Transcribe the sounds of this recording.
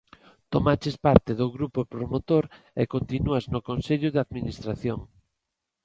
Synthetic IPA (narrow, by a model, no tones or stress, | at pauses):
t̪omat͡ʃespaɾt̪ɪðʊɣɾupopɾomot̪oɾ | ekont̪inuaznʊkonseʎʊðaðminist̪ɾaθjoŋ